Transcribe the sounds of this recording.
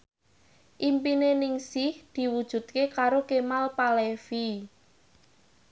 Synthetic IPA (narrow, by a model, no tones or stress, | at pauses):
ʔimpinenɪŋsɪhd̪̥i̤wud̥ʒ̥ṳt̪̚kekaɾokemalpalefi